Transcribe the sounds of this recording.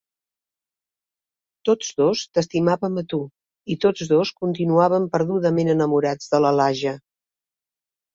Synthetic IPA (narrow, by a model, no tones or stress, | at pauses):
t̪od͡zðost̪əst̪imaβəmət̪u | it̪od͡zðoskunt̪inuaβəmpəɾðuðəmenənəmuɾad͡zðələlaʒə